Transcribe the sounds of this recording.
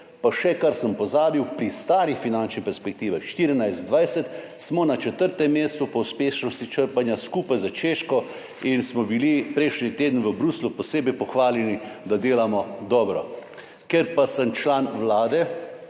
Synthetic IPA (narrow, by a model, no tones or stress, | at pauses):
paʃɛkaɾsəmpɔzaːbiwpɾist̪aːɾixfinant͡ʃnipɛɾspɛk̚t̪iːʋaxʃt̪iɾinajzt̪d̪ʋajsɛt̪ | smɔnat͡ʃɛt̪əɾt̪ɛmːeːst̪upɔwspeːʃnɔsit͡ʃəɾpanjaskuːpajzat͡ʃeːʃkɔ | insmɔbilipɾɛjʃnit̪eːd̪n̩ʋəbɾuːslupɔseːbɛjpɔxʋaːlɛnid̪ad̪eːlamɔd̪ɔːbɾɔ̰ | keɾpasəmt͡ʃlaːnʋlaːd̪ɛ